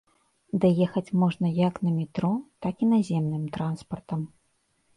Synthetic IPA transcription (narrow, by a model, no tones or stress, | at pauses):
d̪ajɛxɐt͡sʲmɔʐnɐjaknɐmʲit̪ɾɔt̪akinazʲɛmnɨmt̪ɾanspɐrt̪ɐm